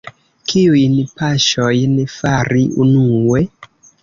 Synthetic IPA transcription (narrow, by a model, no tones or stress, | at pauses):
kiujnpaʃojnefaɾʔiunuwe